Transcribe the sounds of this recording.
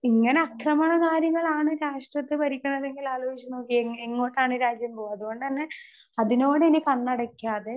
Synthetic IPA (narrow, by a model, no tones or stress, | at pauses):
iŋːɐne̞ɐkrɐmɐɳɐkaːɾjɐŋːɐɭaːɳɨɾaːʂʈrɐt̪ːɨpɐɾikʲːuɳːɐðe̞ŋɡilaːloːʋit͡ɕːɐno̞ːkːieŋːo̞ːʈːaːɳɨɾaːd͡ʑjɐmboːɐðuɣo̞ɳɖɨt̪ɐnːe̞ | ɐðino̞ːɽɨenikɐɳːɐɽɐkʲːaːðe